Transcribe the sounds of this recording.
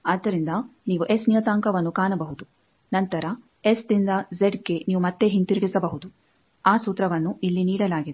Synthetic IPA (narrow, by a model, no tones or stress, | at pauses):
aːd̪ːɐɾind̪ɐniːʋuʔesnijɐt̪aːŋkɐʋɐnːukaːnɐbɐɦud̪u | nɐnt̪ɐɾɐ | esd̪ind̪ɐzeɖɡe̞niːʋumɐt̪ːe̞ɦint̪iɾiɡisɐbɐɦud̪u | aːsuːt̪ɾɐʋɐnːuilːiniːɽɐlaːɡid̪